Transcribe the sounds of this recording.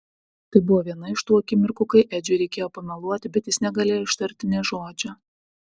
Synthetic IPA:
t̪ɐɪbʊʋoːʋʲiɛnɐɪʃt̪uːɐkʲɪmʲɪɾkʊkɐɪʔɛd͡ʒʲʊɪɾʲɛɪkʲeːjoːpɐnɐlˠuɔt̪ʲɪbʲɛt̪jɪsnʲɛɡɐlʲeːjoɪʃt̪ɐɾʲt̪ʲɪnʲɛʒoːd͡ʒʲɛ

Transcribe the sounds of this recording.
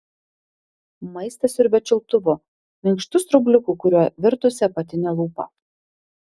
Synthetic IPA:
mɐɪst̪ɐsʲʊɾʲbʲɛt͡ʃʲɪlˠt̪ʊʋo | mʲɪŋkʃt̪ʊst̪ɾʊbʲlʲʊkuːkʊɾʲuɔʋʲɪɾt̪ʊsʲɛpɐt̪ʲɪnʲɛlˠuːpɐ̰

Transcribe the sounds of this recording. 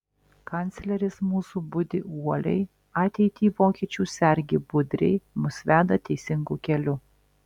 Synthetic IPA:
kɑnʲt̪sʲlʲɛɾʲɪsmuːsubʊd̪ʲɪʔuɔlʲɛ̰ɪ | ɑːt̪ʲɛɪt̪ʲiːʋoːkʲiɛt͡ʃʲuːsʲɛɾʲɡʲɪbʊd̪ʲɾʲɛ̰ɪmʊsʲʋʲæːd̪ɐt̪ʲɛɪsʲɪŋɡuːkʲɛlʲʊ

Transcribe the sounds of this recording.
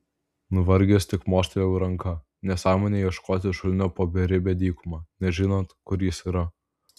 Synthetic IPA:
nʊʋɐɾʲɡʲesʲt̪ʲɪkmoːsʲt̪ʲelʲɛʊɾɐŋkɐ | nʲɛsɑːmoːnʲeːjiɛʃkoːt̪ʲɪʃʊlʲnʲoːpoːbʲɛɾʲɪbʲɛd̪ʲiːkʊmɑːnʲɛʒʲɪnoːnt̪kʊɾjɪsiːɾɐ

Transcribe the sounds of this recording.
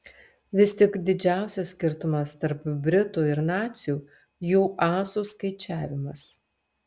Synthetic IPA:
ʋʲɪst̪ʲɪkd̪ʲɪd͡ʒʲæˑʊsʲɛsʲsʲkʲɪɾt̪ʊmɐst̪ɐɾpbʲɾʲɪt̪uɪɾnɑːt̪sʲjuː | juːʔɑːsuːskɐɪt͡ʃʲæːʋʲɪmɐs

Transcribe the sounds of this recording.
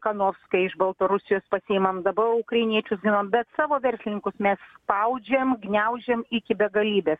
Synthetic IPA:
kɐnoːfskɐɪɪʃbɐlˠt̪oɾʊsʲɪjoːspɐsʲiɪmɐmd̪ɐbɐʊkɾɐɪnʲiɛt͡ʃʲʊsɡʲɪnɐmbʲɛt̪sɑːʋoːʋʲɛɾʲsʲlʲɪnʲɪŋkʊsmʲɛsspɐʊd͡ʒʲɛmɡnʲɛʊd͡ʒʲemɪkʲɪbʲɛɡɐlʲiːbʲeːs

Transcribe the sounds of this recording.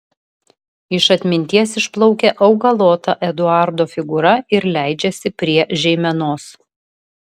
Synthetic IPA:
ɪʃɐt̪ʲmʲɪnʲt̪ʲiɛsɪʃplˠɐʊkʲeʔɐʊɡɐlˠoːt̪ɐʔɛd̪ʊɑˑɾd̪oːfʲɪɡʊɾɐɪɾlʲæˑɪd͡ʒʲɛsʲɪpʲɾʲiɛʒʲɛɪmʲɛnoːs

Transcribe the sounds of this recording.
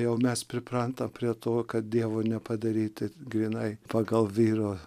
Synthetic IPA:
jɛʊmʲɛspʲɾʲɪpɾɐnt̪ɐmpʲɾʲiɛt̪oːkɐt̪̚d̪ʲiɛʋonʲɛpɐd̪ɐɾʲiːt̪ʲɪɡɾʲiːnɐɪpɑːɡɐlˠʋʲiːɾoː

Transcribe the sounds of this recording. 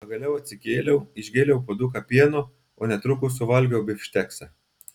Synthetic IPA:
pɐɡɐlʲɛʊɐt̪ʲsʲɪkʲeːlʲɛʊɪʒʲɡʲeːlʲɛʊpoːd̪ʊkɐpʲiɛnʊ | oːnʲɛt̪ɾʊkʊsʊʋɐlʲɡʲɛʊbʲɪfʲʃʲt̪ʲæːksʲɛ

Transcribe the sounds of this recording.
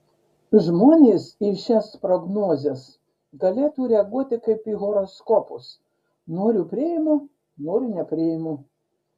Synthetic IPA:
ʒmoːnʲeːsɪʃʲɛspɾɔɡnoːzʲɛs | ɡɐlʲeːt̪uːɾʲɛɐɡuɔt̪ʲɪkɐɪpiːɣɔɾɔskɔpʊs | noːɾʲʊpʲɾʲɪjɪmu | noːɾʲʊnʲɛpʲɾʲeɪmu

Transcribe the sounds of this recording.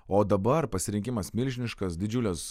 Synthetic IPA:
oːd̪ɐbɐɾpɐsʲɪɾʲɪŋʲkʲɪmɐsmʲɪlʲʒʲɪnʲɪʃkɐsd̪ʲɪd͡ʒʲʊlʲɛs

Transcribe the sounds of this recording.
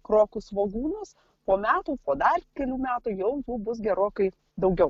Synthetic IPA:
kɾoːkʊsʋoːɡuːnɐs | poːmʲæːt̪uːpoːd̪ɐrkʲɛlʲuːmʲæːt̪ujɛʊjuːbʊs̬ɡʲɛɾoːkɐɪ | d̪ɐʊɡʲɛʊ

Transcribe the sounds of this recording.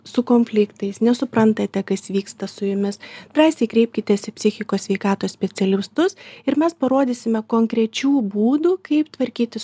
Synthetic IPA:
sʊkoːnʲfʲlʲɪkt̪ɐɪsnʲɛsʊpɾɐnt̪ɐt̪ʲɛkɐsʋʲiːkst̪ɐsʊjʊmʲɪsd̪ɾɑːsʲɛɪkɾʲɛɪp̚ʲkʲɪt̪ʲɛsɪpʲsʲɪxʲɪkoːsʲʋʲɛɪkɑːt̪oːssʲpʲɛt͡s̪ʲɛlʲɪst̪ʊsɪɾmʲɛspɐɾoːd̪ʲisʲɪmʲɛkoːŋkɾʲɛt͡ʃʲuːbuːd̪uːkɐɪpt̪ʋɐɾʲkʲiːt̪ʲɪ

